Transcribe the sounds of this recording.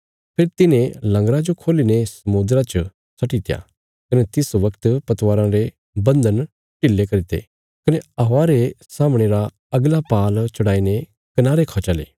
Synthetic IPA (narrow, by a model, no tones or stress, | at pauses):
pʰeːɾt̪ɪnẽlɐ̃ŋɡɾad͡ʒokʰoːlinesɐmʊd̪ɾat͡ʃ | sɐʈit̪ɪja̰ | kɐnet̪ɪsʋɐkt̪pɐt̪ʋaːɾãɾe | bɐ̃nd̪ən | ʈɪlːekɐɾit̪ḛ | kɐneɐɦaɾesaːmɽ̃eɾa | ɐɡlapaːlt͡ʃɐɽaːine | kɐnaːɾekʰat͡ʃaːlḛː